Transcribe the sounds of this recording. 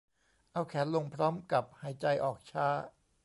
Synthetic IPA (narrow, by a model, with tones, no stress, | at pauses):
ʔa˧wkʰɛː˩˦nlo˧ŋpʰɾɔː˦˥mka˨˩p̚haː˩˦jt͡ɕa˧jʔɔː˨˩k̚t͡ɕʰaː˦˥